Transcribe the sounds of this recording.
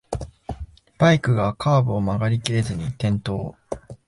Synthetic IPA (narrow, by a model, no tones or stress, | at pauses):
b̥aikɯ̟ɡakʰaːbɯ̟omaɡaɾʲikʲiɾe̞zɨɲ̟it̪ẽ̞nt̪o̞ː